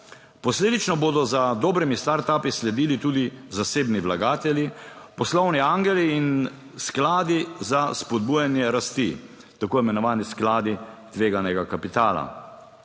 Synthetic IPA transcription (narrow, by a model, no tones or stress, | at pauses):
pɔsleːd̪it͡ʃnɔboːd̪ɔzad̪oːbɾimist̪aɾt̪aːpislɛd̪iːlit̪uːd̪izaseːbniʋlaɡaːt̪ɛljipɔslɔwniaŋɡɛliːn | sklaːd̪izaspɔd̪̚bujanjɛɾast̪i | t̪akoːimɛnɔʋaːnisklaːd̪it̪ʋeːɡanɛɡakapit̪aːla̰